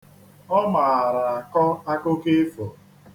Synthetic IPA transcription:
ɔ˦ma˨a˨ɾa˨a˨kɔ˦a˦kʊ˦ke˦fɔ˨

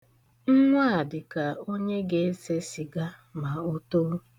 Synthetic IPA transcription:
ŋ̩˦ŋʷa˦a˨dɪ˨ka˨o˦ɲe˦ɡe˦e˦se˦si˨ɡa˦ma˨o˦to˦

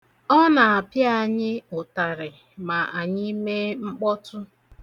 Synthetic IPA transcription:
ɔ˦na˨a˨pja˦˨ɲɪ˦ʊ˨ta˨ɾɪ˨ | ma˨ʔa˨ɲɪ˦me˦ŋ͡m̩˦k͡pɔ˦tʊ˦

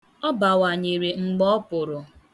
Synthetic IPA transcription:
ɔ˦ba˨wa˨ɲe˨ɾe˨ŋ͡m̩˨ɡ͡bɔ˦pʊ˨ɾʊ˨

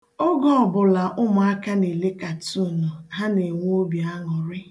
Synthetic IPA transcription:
o˦ɡɔ˦ɔ˨bʊ˨la˨ʔʊ˦mʊ˨a˦ka˦ne˨le˦ka˨tu˦˨nʊ˨ɦa˦ne˨ŋʷ˦o˦bi˨a˦ŋɔ˨ɾɪ˦

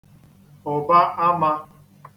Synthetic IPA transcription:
ɔ˨ba˦ʔa˦ma˦

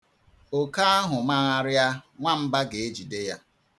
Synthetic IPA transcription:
o˨ka˦a˦ɦʊ˨ma˦ɣa˦ɾja˦ŋʷa˦m̩˦ba˦ɡe˨e˦d͡ʒi˨de˦ja˦

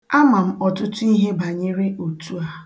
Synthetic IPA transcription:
a˦ma˨m̩˦ɔ˨tʊ˦tʊ˦i˦ɦe˦ba˨ɲɪ˦ɾɪ˦ʔo˨tu˦a˨

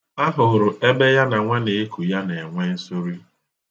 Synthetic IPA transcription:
a˦ɦʊ˨ɾʊ˨ʔe˦be˦ja˦na˨ŋʷe˦ne˨e˦kʰu˨ja˦ne˨ŋʷe˦n̩˦sʊ˦ɾi˦

